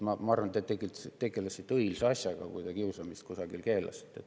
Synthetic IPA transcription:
mɑmɑɑrvɑnt̪et̪ːeɡilt̪st̪ːe̞ɡe̞lesit̪ːˑɤilseɑsʲjɑɡ̥ɑ̰kujt̪ɑkiusɑmist̪̚kusɑɡilke̞ːlɑ̰si̥t̪ːˑet̪ːˑ

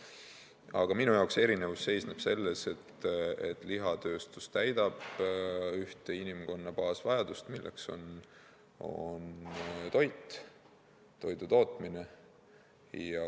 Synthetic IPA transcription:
ɑɡ̥ɑminujɑwkse̞ɾine̞vusːe̞jsneb̥se̞lːese̞t̪ːḛt̪ːˑliɦɑt̪ø̞ːst̪ust̪æjd̪̥ɑb̥ | yht̪einimko̞nːɑpɑːsvɑjɑd̪̥ust̪milːḛkso̞̰n | o̰nt̪o̞jt̪ːˑ | t̪o̞jd̪ut̪o̞ːt̪ˑmine̞ | jɑ

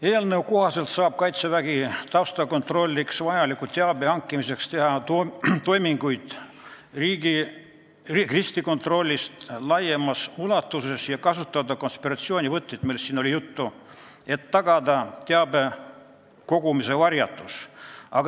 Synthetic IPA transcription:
eːlnəwkoɦɑse̞lt̪sɑːb̥̚kɑjt̪sevæɡ̥it̪ɑwst̪ɑko̞nt̪ro̞lʲːiksvɑjɑlikːut̪ːeɑbe̞ɑŋkːˑimise̞kst̪e̞ɦɑt̪o̞jmiŋɡ̥ujd̪̥ | riːɡi | krist̪iko̞nt̪ro̞lʲːist̪lɑje̞mɑsulɑt̪ːuse̞sjɑkɑsut̪ˑːɑd̪ɑkonspiɾɑt̪sio̞ːnʲivɤt̪ːed̪milːsːiːno̞lʲijut̪ːu | e̞t̪ːɑɡɑd̪ɑt̪eɑbe̞ | ko̞ɡ̥umise̞vɑrjɑ̰t̪ːˑusɑɡ

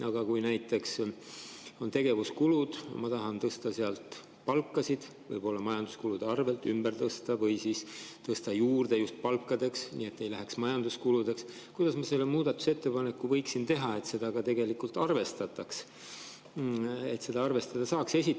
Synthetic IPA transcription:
ɑɡ̥ɑkujnæjt̪ːˑe̞ks | o̞nt̪e̞ɡe̞vuskulud̪̥mɑt̪ɑɦɑnt̪ɤst̪ɑseɑlt̪ | pɑlkːˑɑsid̪̥ | vɤ̰jb̥o̞lːɑmɑjɑnd̪̥uskulud̪eɑrve̞lt̪ymbert̪ɤst̪ɑvɤjsiːst̪ɤst̪ɑjuːrd̪̥e̞just̪̚pɑlkːɑd̪̥e̞ksnḭːe̞t̪ːe̞jlæɦe̞ksmɑjɑnd̪uskulud̪e̞ks | kujd̪ɑsmɑse̞lːemuːd̪̥ɑt̪ːˑu̥se̞t̪ːe̞pɑne̞kːuvɤjksint̪e̞ɦɑe̞t̪se̞d̪̥ɑɡ̥ɑt̪e̞ɡe̞likult̪ˑɑrve̞st̪ɑt̪ːˑɑks | e̞t̪se̞d̪ɑɑrve̞st̪ɑd̪ɑsɑːkse̞sʲi

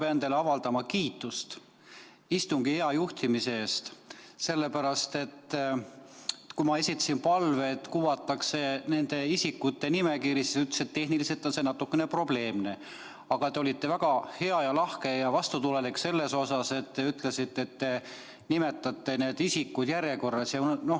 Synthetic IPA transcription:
peend̪eleɑvɑld̪ɑmɑkiːt̪ːˑust̪ | ist̪uŋɡ̥ieɑjuht̪imise̞eːst̪se̞lːe̞pæɾɑst̪e̞t̪ː | kumɑe̞sit̪ːˑɑ̥simpɑlve̞ːt̪ːˑkuwɑt̪ːˑɑkse̞ne̞nd̪e̞isikːut̪ːe̞nime̞kiːɾisi̥syt̪leset̪ːe̞hnilise̞lt̪ːˑo̞nse̞nɑt̪ːˑukːene̞pro̞b̥le̞ːmne̞ | ɑɡ̥ɑt̪eo̞lʲit̪ːe̞væɡ̥ɑhe̞ɑjɑlɑhke̞jɑvɑst̪ut̪ule̞likse̞lːe̞so̞sɑse̞t̪ːe̞yt̪ˑle̞sit̪ːe̞t̪ːe̞ | nime̞t̪ːˑɑt̪ːe̞ne̞ːd̪isikːud̪̥jæɾjeko̞rːɑsjɑno̞

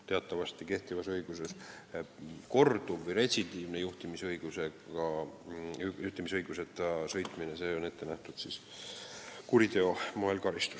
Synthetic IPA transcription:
t̪e̞ɑt̪ːˑɑvɑst̪ike̞ht̪ivɑsɤjɡ̥use̞s | ko̞rd̪uvɤjɾe̞sid̪iːvnejuht̪imisɤjɡ̥use̞ɑ | juht̪imisɤjɡ̥use̞t̪ːˑɑsɤ̞jt̪ˑminese̞ːo̞ne̞t̪ːˑe̞næht̪ud̪̥sis | kuɾit̪e̞o̞moelkɑɾist̪u̥s

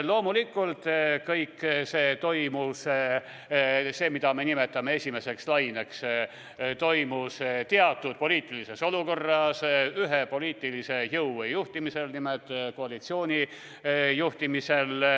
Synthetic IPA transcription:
lo̞ːmulikːˑult̪ˑkɤjkːse̞ːt̪o̞jmus | se̞ːmid̪̥ɑme̞nime̞t̪ːˑɑmee̞sʲime̞se̞kslɑjne̞ks | t̪o̞jmust̪eɑt̪ːˑud̪̥̚po̞liːt̪ˑilise̞so̞luko̞rːɑsyɦepo̞liːt̪ːˑilise̞jɤwːejuht̪imise̞lnimet̪ːˑkoɑlit̪sio̞ːnʲi | juht̪imise̞l

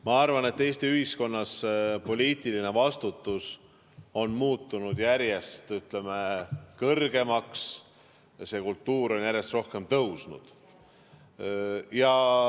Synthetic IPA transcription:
mɑɑrvɑne̞t̪ːe̞ːst̪iyhisko̞nːɑspo̞lʲiːt̪iline̞vɑst̪ut̪ːˑus | o̞nmuːt̪ːˑunud̪̥jæɾje̞st̪yt̪le̞mekɤrɡ̥e̞mɑks | se̞kult̪ːuːɾo̞njæɾje̞st̪ro̞hke̞mt̪ɤwsnṵd̪̥ | jɑ

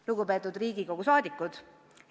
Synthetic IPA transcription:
luɡupe̞ːt̪ːˑud̪riːɡ̥iko̞ɡ̥usɑːd̪ikːˑud̪̥

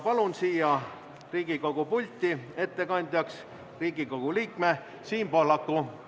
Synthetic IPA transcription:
pɑlunsiːjɑ | riːɡ̥iko̞ɡ̥upulʲt̪ʲːˑie̞t̪ːe̞kɑnʲd̪̥ʲjɑks | riːɡ̥iko̞ɡ̥uliːkme | siːmpolɑkːˑu

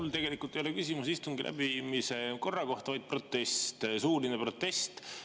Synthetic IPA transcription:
ult̪e̞ɡe̞likːˑult̪ejo̞le̞kysʲimusist̪uŋɡilʔæ̰bimise̞ko̞rːɑko̞ht̪ɑvɑjd̪̚pro̞t̪ːe̞st̪suːlinepro̞t̪ːe̞st̪

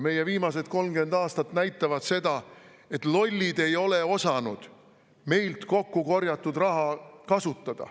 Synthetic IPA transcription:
me̞je̞viːmɑs̬e̞d̪̥̚ko̞lmɡe̞nd̪ɑːst̪ɑt̪næjt̪ːˑɑvɑd̪̥se̞d̪̥ɑ | e̞t̪ːˑlo̞lʲːid̪̥e̞jo̞le̞o̞sɑnud̪̥ | me̞jlt̪ko̞kːuko̞rjɑt̪ːˑud̪rɑɦɑkɑsut̪ːˑɑd̪̥ɑ̰

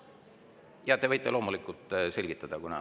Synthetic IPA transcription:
jɑt̪e̞vɤjt̪ːˑelo̞ːmulikːˑult̪ˑse̞lʲɡ̥it̪ːˑɑd̪̥ɑkunɑ̰

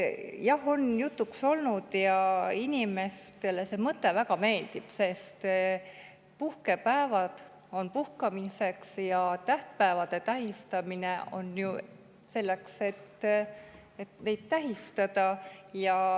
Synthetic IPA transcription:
jɑho̞njut̪ːˑukso̞lnud̪̥jɑinʲime̞st̪e̞lese̞mɤt̪ːˑe̞vækɑme̞ːld̪̥ib̥se̞st̪ | puhke̞pæevɑd̪̥ | o̞npuhkɑmise̞ksjɑt̪æht̪̚pæevɑd̪̥e̞t̪æɦist̪ɑmine̞o̞̰nju | se̞lːe̞kse̞t̪ | et̪ne̞jd̪̥̚t̪æɦist̪ɑd̪̥ɑjɑ

